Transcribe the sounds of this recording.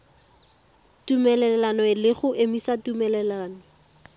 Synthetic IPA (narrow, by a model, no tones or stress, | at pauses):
tumɛlɛlɛlanɔɪlɪχʊʔemisatumɛlɛlaːnɔ